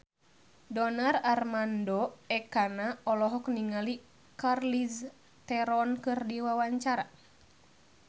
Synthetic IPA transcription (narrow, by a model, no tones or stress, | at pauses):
dɔnararmandɔɛkanaɔlɔɦɔk̚niŋali | karlis | t̪ɛɾɔnkɨrdiwawaɲt͡ʃaɾa